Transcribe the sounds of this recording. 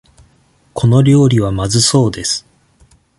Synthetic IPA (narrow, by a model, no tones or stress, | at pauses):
kʰo̞no̞ɾʲo̞ːɾʲiβ̞amazɨso̞ːd̪e̞sɨ̥